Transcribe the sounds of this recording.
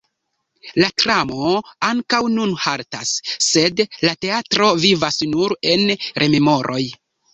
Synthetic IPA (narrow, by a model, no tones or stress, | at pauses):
latɾamo̞aŋkawnunhaɾta̰sːe̞dlate̞atɾo̞vivasnuɾe̞nɾʔe̞me̞mo̞ɾʔo̞j